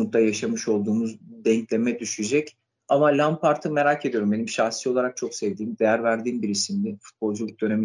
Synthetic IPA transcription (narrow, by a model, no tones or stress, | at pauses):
ut̪ʰajaʃamɯʃo̞lˠd̪uːmuzd̪ɛɲclʲe̞mɛd̪yʃyd͡ʒɛc | amalʲampaɾt̪ʰɯme̞ɾacʰed̪ijo̞ɾumbe̞nimʃaxsijo̞lˠaɾak̚t͡ʃʰo̞ksɛvd̪iːmd̪ejæɾvæɾd̪iːmbiɾisimd̪ɛfu̥t̪̚bo̞lˠd͡ʒulʲˠyk̚d̪ø̞ne̞mi